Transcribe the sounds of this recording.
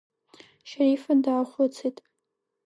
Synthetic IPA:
ʃaɾifandaːχʷʊt͡sʰejtʼ

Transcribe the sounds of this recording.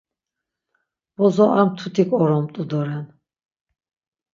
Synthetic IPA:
bɔzɔʔamt̪ʰut̪ʰikʼɔɾɔmt̪ʼud̪ɔɾɛn

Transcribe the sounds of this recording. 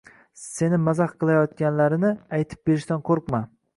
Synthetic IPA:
se̞nɪmazaχqʰɨlˠajɒt̪̚kʲanlaɾɪnɪajt̪ʰɪ̥p̚beɾɪʃsanqʰoɾqma

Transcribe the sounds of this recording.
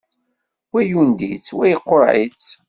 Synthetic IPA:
wæjund̪it͡sːwæjqːoɾˤʕḭt͡sː

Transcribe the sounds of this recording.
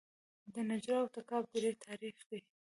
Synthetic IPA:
d̪ənad͡ʒɾɑwt̪akɑb̚d̪əɾet̪ʰɑɾixd̪e

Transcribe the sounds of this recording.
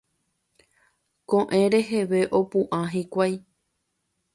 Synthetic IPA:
kõʔẽ̞ɾe̞ɦeʋe̞ʔo̞pũʔãɦikʷaj

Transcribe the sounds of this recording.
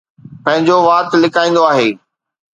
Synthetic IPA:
pɐ̃ɦɪ̃ɲd͡ʑoːʋaːt̪lɪkaːĩːn̆d̪oaːɦeː

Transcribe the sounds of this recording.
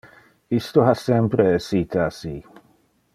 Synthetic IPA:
ist̪oɦasɛmpɾeɛsit̪ʰasi

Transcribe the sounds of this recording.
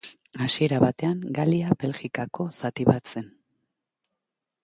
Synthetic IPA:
asie̞ɾaβat̪e̞aŋɡaliabe̞lɣikako̞sat̪iβat͡se̞n

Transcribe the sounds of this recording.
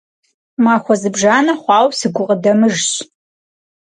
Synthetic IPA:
maːxʷɔzɨbʒaːnɐχʷɑːwsɨɡʷʊʁədɐmɨʒɕ

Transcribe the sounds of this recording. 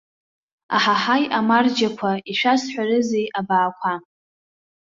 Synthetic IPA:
a̰ħaħajamard͡ʒakʷʰaiʃʷᶣasħʷᶣarɨzejʔabaːkʷʰa

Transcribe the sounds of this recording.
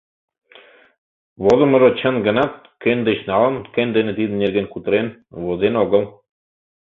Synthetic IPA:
βozɤ̆mɤ̆ɾot͡ɕə̆nɡɤ̆nɑt̪̚ | kĕnd̪ĕɕnɑlˠɤ̆nkĕnd̪ĕnɘ̆t̪id̪ɘ̆neɾɡenkut̪ɤ̆ɾenβozenoɣɤ̆lˠ

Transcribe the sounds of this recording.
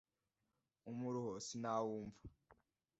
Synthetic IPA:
umuɾuhosinawuːɱvḁ

